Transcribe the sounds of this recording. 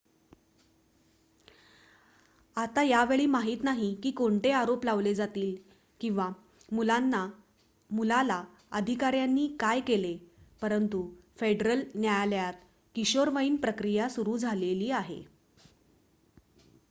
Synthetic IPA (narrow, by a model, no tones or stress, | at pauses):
at̪ajaʋeɭiːmaɦiːt̪naɦikiːkoɳʈeaɾoplaʋled͡zat̪iːl | kĩw̃ʋa | mulanːa | mulala | əd̪ʱikaɾjanːiːkajkelepəɾənt̪ufeɖɾəlnjajljat̪ | kiɕoɾʋəiːnpɾəkɾijasuɾuːd͡zʱaleliːaɦḛ